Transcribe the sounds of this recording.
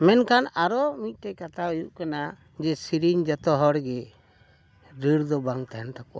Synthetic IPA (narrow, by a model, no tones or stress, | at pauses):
mɛnkanaɾɔmit̪̚ˀʈɛkat̪ʰaujuʔkana | d͡ʒɛsiɾiɲd͡ʒat̪ɔɦɔɽɡɛ | ɾəɽd̪ɔbaŋt̪aɦɛnt̪akɔʔa